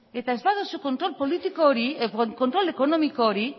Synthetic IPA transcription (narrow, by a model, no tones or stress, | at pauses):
et̪azbaðosukont̪ɾɔlpolit̪ikoɾikont̪ɾɔlekonɔmikoɾi